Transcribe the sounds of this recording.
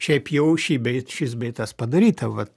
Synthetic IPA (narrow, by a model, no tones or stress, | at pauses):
ʃʲɛɪpjɛʊʃʲiːbʲɛɪt̪ʃʲɪs̬bʲɛɪt̪ɐspɐd̪ɐɾʲiːt̪ɐʋɐt̪